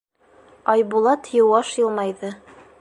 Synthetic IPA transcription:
ɑjbulˠɑt̪jɤ̆wɑʃjɤ̆lˠmɑjðɤ

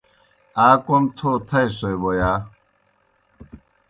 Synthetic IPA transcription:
aːkʷomt̪ʰot̪ʰɐjsojbojaː

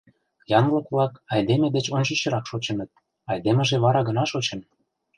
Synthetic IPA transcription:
jɑnlɤkβlɑkɑjd̪emed̪et͡ɕonʲɕə̆ɕə̆ɾɑkʃot͡ɕə̆nə̆t̪̚ | ɑjd̪emə̆ʒeβɑɾɑɡənɑʃot͡ɕə̆n

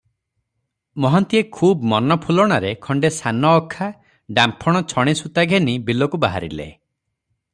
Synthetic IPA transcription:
mɔɦɔnt̪iekʰuːbmɔnɔpʰulɔɽ̃aɾekʰɔɳɖesanɔːkʰːa | ɖampʰɔɽ̃ɔt͡ʃʰɔɽ̃isut̪aɡʱenibilɔkubaɦaɾḭlḛ

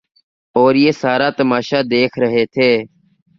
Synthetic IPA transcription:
oːɾjeːsaːɾaːt̪əmaːʃaːd̪eːkʰɾəɦeːt̪ʰeː

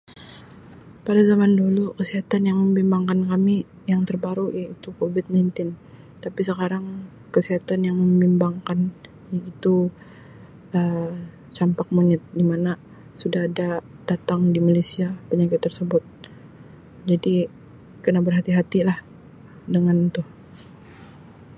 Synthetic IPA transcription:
padazamandulukəsiɦat̪anjaŋməmbimbaŋkankami | jaŋt̪ərbaɾujait̪ukovɪt̪̚najnt̪ɪn | t̪apisəkaɾaŋ | kəsiɦat̪anjaŋməmbimbaŋkan | jait̪u | ə | t͡ʃampak̚muɲət̪̚dimana | sudaɦːda | d̥at̪aŋdimalesiapəɲakɪt̪ːərsəbʊt̪̚ | d͡ʒadi | kənabərɦat̪iɦat̪ilah | dəŋant̪ʊh

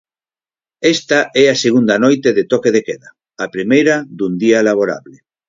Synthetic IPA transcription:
est̪aʔɛaseɣ̞und̪anojt̪eðet̪okeðekeða | apɾimejɾad̪und̪ialaβ̞oɾa̰βle

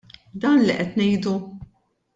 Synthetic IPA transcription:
d̪ɐːnliʔɛt̪nɛjd̪u

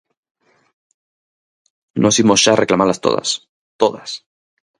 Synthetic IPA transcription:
nʔosimozʝareklamalast̪o̰ða̰s | t̪oðas

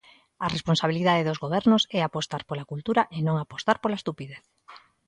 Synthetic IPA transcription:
aresponsaβ̞iliðaðeðozɣoβɛɾnosɛapost̪aɾpolakult̪uɾaʔenõŋapost̪aɾpolaest̪upiðeθ

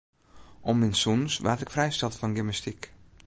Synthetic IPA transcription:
ʔɔmɪnsunsʋaːtɪkfrɛjstɑlˠtfɔnɡɪməstik

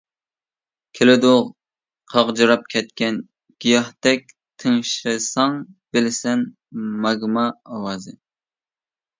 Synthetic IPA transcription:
kʲʰelɪd̪oʁ | qʰɑʁd͡ʒɨɾɑp̚kʲʰɛt̪kʲɛn | ɡ̥ʲijɑht̪ɛk̚ʲ | t̪ʰəŋʃɾɨsɑŋb̥ɪlɪsɛn | mɑɡmɑːwɑːzɨ

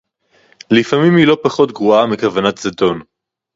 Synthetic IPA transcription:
lifamimhilo̞paχo̞t̪ɡʁuamekavanat̪zado̞n

